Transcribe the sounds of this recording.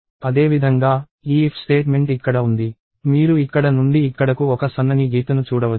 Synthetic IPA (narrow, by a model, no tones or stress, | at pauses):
ɐd̪e̞ːʋid̪ʱɐŋɡaː | iːpʰsʈe̞ːʈme̞ɳʈikːɐɽɐund̪i | miːɾuikːɐɽɐnuɳɖiːkːɐɽɐkuɔkɐsɐnːɐniɡiːt̪ɐnut͡ʃuːɽɐʋɐ